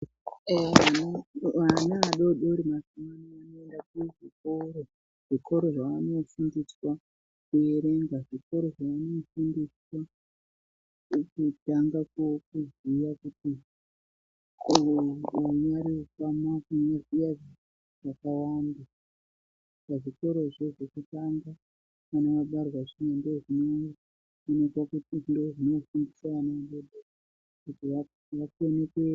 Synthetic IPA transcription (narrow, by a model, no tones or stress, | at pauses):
eʋanaʋanaːɗoɗoɾimasumanianoendakuʐiko̞ɾo | ʐ̥ikʰo̞ɾo̞ʐaʋano̞fundiswa | kueɾe̞ŋɡaʐiko̞ɾo̞ʐaʋano̞fundiswa | kutaŋɡakok̚uzijakuti | uɲaɾiukamakuɲazijaʐa | ʐakawaːnda | paʐiko̞ɾo̞ʐeʐokutaŋɡa | ʋanoʋaɓarwaʐinondoʐinoja | unekwakutindoʐino̞fundisaʋanoaɓeɗera | kutiʋa | ʋakone̞kwe